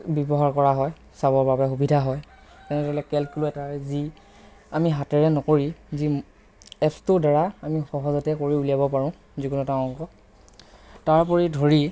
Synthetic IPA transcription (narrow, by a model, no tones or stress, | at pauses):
bibɔɦaɹkɔɹaɦɔj | sabɔɹbapɛxubidʱaɦɔj | kɛnɛtɔlɛkɛlkuluɛtazi | amiɦatɛɹɛnɔkoɹizi | ɛpstʊdaɹaamixɔɦɔzɔtɛkoɹiulijabɔpaɹɔ̃ | zikunɔtãɔkɔ | taɹpɔɹidʱoɹi